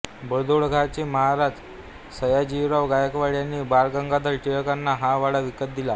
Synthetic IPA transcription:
bəd̪oɭɡʱat͡ɕiməɦaɾad͡z | səjad͡ʑiʋɾaʋɡajəkʋaɭjanːiːbaɾɡəŋɡad̪əɾʈijəkanːaɦaʋaɽaʋikət̪̚d̪ila

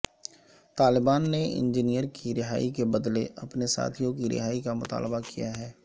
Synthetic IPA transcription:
t̪aːlɪbaːnːeɪ̰̃nd͡ʒinijəɾkiɾɪɦaːikebɐd̪leʔɐpnesa̰ːt̪ʰijõkiɾɪ̰ɦaːikamʊt̪a̰ːlbakijaɦɛː

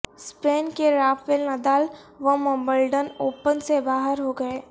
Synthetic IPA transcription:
spɾeːnkeɾaːfɪlnɐd̪aːlʋɐmɐ̃mbəlɖənoːpənsebaːɦəɾɦoɡɐeː

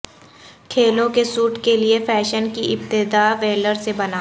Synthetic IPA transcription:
kʰeːlõkesuːʈkeliefɛːʃənkiɪb̚t̪ɪd̪aːʋeːləɾsebɐnaː

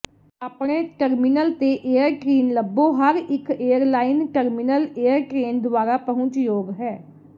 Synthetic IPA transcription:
aːpɳeːʈəɾmɪnəlt̪eːʔeːəɾʈɾeːnləbːõːɦəɾɪkeːəɾlaːɪnʈəɾmɪnəleːjəɾʈɾeːnd̪ʊʋaːɾaːpəɦʊ̃ɲt͡ʃjoːɡɦɛː

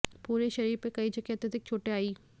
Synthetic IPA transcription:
puːɾeʃɐɾiːɾpekɐid͡ʒɐkjət̪ɐd̪ɪk̚t͡ʃʰoːʈeaːiː

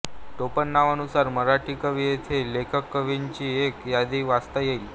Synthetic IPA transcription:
ʈ̪opənːaʋanusaɾməɾaʈiːkəʋijet̪ʰelekʰəkːəʋiɲt͡ɕiːekjad̪iːʋast̪ajel

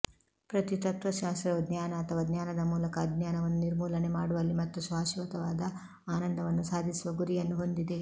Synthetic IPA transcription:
pɾɐt̪it̪ɐt̪ʋɐʃaːst̪ɾɐʋɐd̪naːnɐːt̪ʰɐʋɐd̪ɲjaːnɐd̪ɐmuːlɐkɐd̪naːnɐʋɐnːuniɾmuːlɐne̞maːɽuʋɐlːimɐt̪ːusʋaːʃiʋɐt̪ɐʋaːd̪ɐ | aːnɐnd̪ʱɐʋɐnːusaːd̪ʱisiʋɐɡuɾijɐnːuɦo̞nd̪id̪e̞

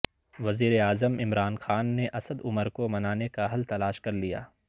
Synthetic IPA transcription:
ʋɐziːɾeaːzəmɪmɾaːnxaːnːeʔɐsəd̪ʊməɾkomɐnaːnekaɦɐlt̪ɐlaːʃkɐɾlija̰ː

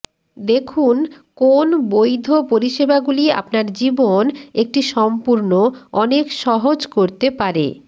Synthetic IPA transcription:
d̪ekʰun | konbojd̪ʱopoɾiʃebaɡulia̰pnaɾd͡ʑibonek̚ʈiʃɔmpuɾnoɔnekʃɔɦod͡ʑkoɾt̪epaɾḛ

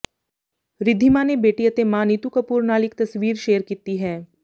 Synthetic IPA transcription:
ɾɪd̪ʱːimanebeːʈijət̪emãːnit̪ukɐpuːɾnaːlɪk̚t̪ɐsʋiːɾʃeːəɾkiːt̪iɦɛː

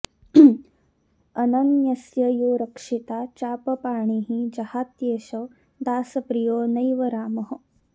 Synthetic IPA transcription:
ɐnɐnjɐsjɐjuːɾɐkʂit̪aːt͡ʃaːpɐpaːɳiːɦid͡ʒɐhaːt̪jeːʃɐ | d̪aːsɐpɾijoːnɐjʋɐɾaːmɐɦɐ

